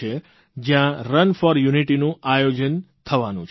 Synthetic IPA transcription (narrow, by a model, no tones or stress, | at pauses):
e | d͡ʒjãɾənfɔɾjuniʈinũajod͡ʒən | t̪ʰəʋanṵ̃t͡ʃʰ